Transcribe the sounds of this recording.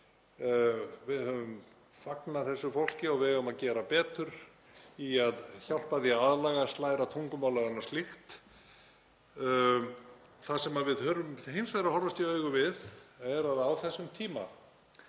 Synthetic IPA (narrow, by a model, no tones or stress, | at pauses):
vɪðhœvʏm | faknaθɛsːʏfowl̥cɪɔɣvɪðhaːʏmaðcɛːɾapɛːt̪ʏɾ | iaðçal̥paðjaaðlaːɣast̪laːjɾat̪ʰuŋkʏmaːwlaɣanːaɾ̥st̪lɪxt̪ | θasɛmaðvɪðhœːvʏmhejnsvɛɾahɔɾvast̪iœːɥɣʏvɪðɛɾaðawθɛsːʏmt̪ʰiːma̰